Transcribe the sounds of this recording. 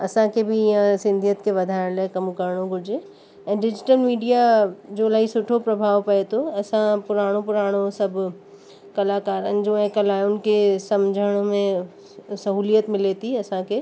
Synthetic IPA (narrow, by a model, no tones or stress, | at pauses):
ɐ̰sãkʰebʱiɪjãsɪ̃nd̪ʱijət̪kʰeʋɐd̪ʱaːɪɽ̃ləkɐmkɐɾɽ̃oɡʊɾd͡ʑe | ɛ̃ːɖɪd͡ʑɪʈəlmiːɖijad͡ʑolaːɦisʊʈʰopɾɐbʱaːʋpɐet̪ʰoɐsãpʊɾaːɽ̃opʊɾaːɽ̃osɐbʱ | kɐlaːkaːɾənɪ̆d͡ʑõɛ̃ːkɐlaːjʊnɪ̆kesɐmd͡ʑʱəɽ̃mẽ | sɐɦuːlijət̪mɪlet̪iɐsãkʰe